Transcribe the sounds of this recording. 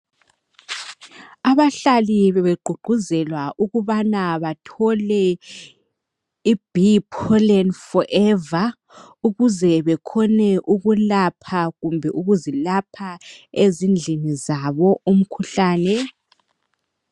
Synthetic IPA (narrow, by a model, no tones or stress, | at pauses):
aβaɬaliβɛβeɡ͡ǃʱuɡ͡ǃʱuzɛlwaʔuɣuβanaβatʰɔlɛ | ib̥ʱipʰɔlɛnfɔʔɛva | uɣuzɛβɛkʰɔnɛʔuɣulapʰaɣumbʱɛʔuɣuzilapʰaezind͡ɮʱinizaβɔum̩kʰuɬaːnɛ